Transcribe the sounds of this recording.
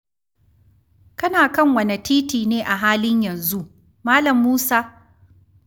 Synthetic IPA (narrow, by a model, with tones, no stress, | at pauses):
kɐ˦naː˨kɐ˦ŋwɐ˨nɐ˨tʰiː˦tiː˨neː˦ʔa˨ɦaː˦lɪ˦ɲjɐ˨nzu˦ʔ | maː˦lɐ˨mːuː˦saː˦